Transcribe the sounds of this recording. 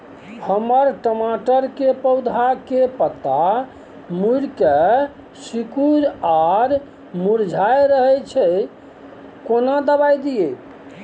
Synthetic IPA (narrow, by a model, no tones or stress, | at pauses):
həməɾʈəmaʈəɾkepəwd̪ʱakepət̪a | muɾke | sikuɾaɾ | muɾd͡ʒʱajɾəɦɛt͡ʃʰɛ | konad̪əbajd̪ije